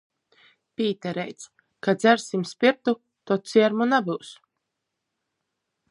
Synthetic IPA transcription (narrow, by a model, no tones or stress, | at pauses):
pʲiːt̪ɛɾɛ̰jt̪s | kad̪zʲæɾsimspʲiɾt̪u | t̪ɔt̪siɛɾmunabɨws